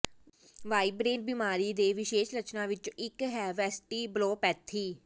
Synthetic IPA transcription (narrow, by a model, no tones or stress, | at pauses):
ʋaːibɾeːnbɪmaːɾiːd̪eːʋɪʃeːʃɾət͡ʃnãːʋɪt͡ʃɪkɦɛːʋɛːsʈiːbloːpɛːt̪ʰːiː